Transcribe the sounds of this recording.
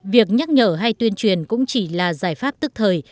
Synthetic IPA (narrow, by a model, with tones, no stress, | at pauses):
vi˨˩ək̚ɲa˦˥k̚ɲəː˧˩ɦa˧jt̪wi˧ənt͡ɕwi˨˩ənkʊ̰˧˥ŋ͡mt͡ɕi˧˩laː˨˩zaː˧˩jfaː˦˥p̚t̪ɨ˦˥k̚t̪ʰəː˨˩j